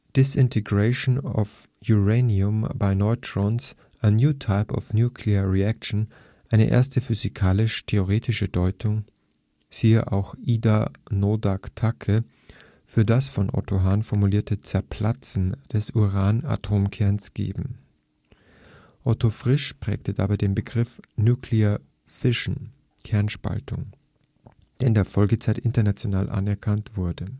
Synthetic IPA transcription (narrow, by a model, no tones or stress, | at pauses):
d̥ɪsɪntʰeɡʁeɪʃnɔ̰f | juʁeniʊmbaɪnɔʏtʁ̥ɔns | ʔənjuːtʰaɪpʰɔ̰fnjuːkʰleəʁiakʃn̩ | ʔaɪnə̰ʔḛɐstəfyzikʰaːlɪʃtʰeoʁ̞eːtɪʃədɔʏtʰʊŋ | z̥iːəʔa̰ʊxʔiːdanodaktʰakʰə | fyːɐdasfɔnʔɔ̰tʰoɦaːnfɔɐmuliːɐtʰət͡sɛɐpʰl̥at͡sn̩d̥ɛsuʁaːna̰tʰoːmkʰɛɐnsɡ̥ḛːbm̩ | ʔɔtofʁ̥ɪʃpʁ̥ɛ̰ːktəd̥aːbaɪdeːnbəɡʁɪfnuːkʰleɐ | fɪʃn̩ | kʰɛɐnʃpa̰ltʰʊŋ | d̥eːndeːɐfɔlɡət͡saɪtʔɪntɐnat͡sjonaːlʔa̰nɛɐkʰantv̥ʊɐdə